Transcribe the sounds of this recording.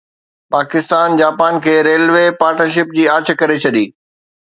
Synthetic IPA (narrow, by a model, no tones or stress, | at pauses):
paːkɪst̪aːnd͡ʑaːpaːnkʰeːɾeːlʋepaːɾʈnəɾʃ̬ɪp̚d͡ʑiːaːt͡ɕ̆ʰkɐɾet͡ɕʰɐɗiː